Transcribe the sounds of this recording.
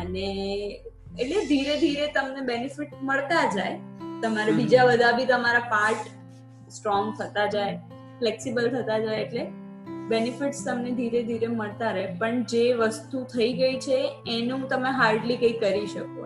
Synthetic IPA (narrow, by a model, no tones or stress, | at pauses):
əne | eʈled̪ʱiɾed̪ʱiɾet̪əmnebenifɪʈməɭt̪ad͡ʒajt̪əmaɾebid͡ʒabəd̪ʱabit̪əmaɾapaɾʈ | sʈɾɔŋɡt̪ʰət̪ad͡ʒae | fleksibəlt̪ʰət̪ad͡ʒaeeʈle | benifɪʈst̪əmned̪ʱiɾed̪ʱiɾeməɭt̪aɾəɦepəɳd͡ʒeʋəst̪ut̪ʰəiɡəit͡ʃʰeːnũt̪əmeɦaɾɖlikəikəɾiʃəko